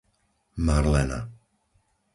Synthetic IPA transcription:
maɾlɛna̰

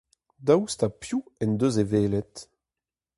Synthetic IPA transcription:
dawstapjuɛnd̪øzeveːlɛt

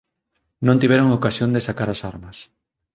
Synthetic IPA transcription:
nõnt̪iβ̞ɛɾoŋokasjond̪esakaɾasaɾmɐs

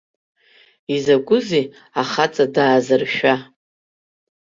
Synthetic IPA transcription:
izaɡʷʼʊzi | aχat͡sʼadaːzɨrʃᶣa

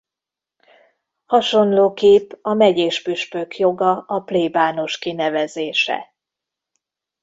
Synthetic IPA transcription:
hɒʃo̞nloːkeːpɒmɛɟeːʃpyʃpøkjo̞ɡɒʔɒpleːbaːno̞ʃkinɛvɛzeːʃɛ̰

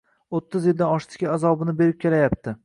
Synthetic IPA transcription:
ot̪ʰːɪzjɪld̪anɒʃt̪ʰɪ̥kʲaazɒbɪnɪbe̞ɾɪp̚kʲʰe̞lajap̚t̪ʰɪ

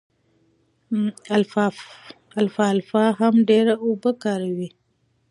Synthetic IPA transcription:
alf | alfalfaɦamɖeɾaubəkaɾawi

